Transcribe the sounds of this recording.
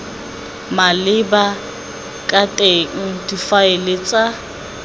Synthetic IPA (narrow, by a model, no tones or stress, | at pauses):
malɪba | kʼatʼeŋ̩difaɪlet͡sʼa